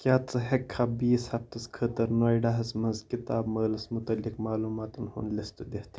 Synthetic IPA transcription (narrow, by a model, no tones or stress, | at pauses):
kʲjaːt͡sɐɦekʰːabiːshɐft̪ɐskʰət̪ɐɾnoːiɖɐɦɐsmɐnzkit̪aːbmɐːlɐsmʊt̪ɐlːikmaːluːmaːt̪ɐnhṵnlist̪ɨd̪eht̪ʰ